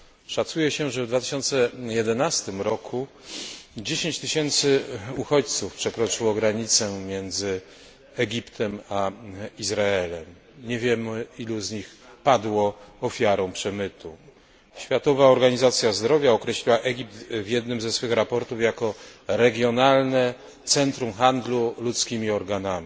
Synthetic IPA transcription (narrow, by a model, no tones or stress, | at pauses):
ʂat̪sujɛɕɛʐɛvd̪vat̪ɘ̥ɕɔnt̪sɛjɛd̪ɛnast̪ɘmɾɔkʰu | d͡ʑeɕeɲt͡ɕt̪ɘɕɛnt̪sɘuxɔt͡ɕt̪sufpʂɛkɾɔt͡ʂɘwɔɡɾaɲit̪sɛmʲjɛnd̪zɘ | ɛɡʲipt̪ʰɛmaizɾaɛlɛm | ɲɛvʲjɛmɘiluzɲixpad̪wɔɔfʲjaɾɔ̃w̃pʂɛmɘt̪u | ɕfʲjat̪ɔvaɔɾɡaɲizat̪sʲjazd̪ɾɔvʲjaɔkɾɛɕlʲiwaʔɛɡʲip̚t̪vʲjɛd̪nɘmzɛsfɘxɾapɔɾt̪ufjakɔɾɛɡʲjɔnalnɛ | t̪sɛnt̪ɾumxand̪lulut̪skʲimʲiɔɾɡanamʲi